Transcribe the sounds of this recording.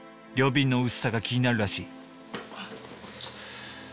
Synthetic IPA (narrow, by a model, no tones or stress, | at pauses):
ɾʲo̞ːbʲĩnːo̞ɯ̟sɨ̥saɡakʲiɲ̟inaɾɯ̟ɾaɕiː